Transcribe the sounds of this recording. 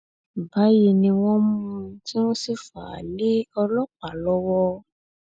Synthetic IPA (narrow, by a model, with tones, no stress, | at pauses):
ba˨˦ji˧nĩ˧w̃ɔ̃˦mũ˦ti˦wõ˦si˧fa˨a̰˨le˦ɔ˧lɔ˦k͡pa˨lɔ˦wɔ˦